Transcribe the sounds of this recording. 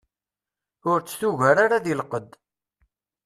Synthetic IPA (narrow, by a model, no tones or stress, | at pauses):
ʊɾt͡sːθuʝæɾaɾaðilqəd̪